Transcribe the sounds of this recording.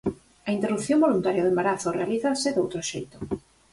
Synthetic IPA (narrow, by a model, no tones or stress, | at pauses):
ɐint̪erupθjõŋbolunt̪aɾjaðembaɾaθorealiθasɪðowt̪ɾoʃḛjt̪o̥